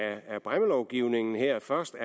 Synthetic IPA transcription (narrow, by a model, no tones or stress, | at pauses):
æb̥ʁaməlɒʊɡ̥iʊne̝ŋn̩hɛɐ̰fɶɐsd̥æ